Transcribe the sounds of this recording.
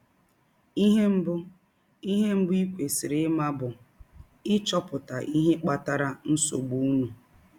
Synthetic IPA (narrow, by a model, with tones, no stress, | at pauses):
i˦ɦe˦m̩˦bʊ˦ | i˦ɦe˦m̩˦bʊ˦i˦kʷe˨si˨ɾɪ˦ma˦bʊ˨ | ɪ˦t͡ʃɔ˦pʊ˨ta˨ʔi˦ɦe˦k͡pa˦ta˦ɾa˦n̩˦so̰˨ɡ͡bu˦nu˨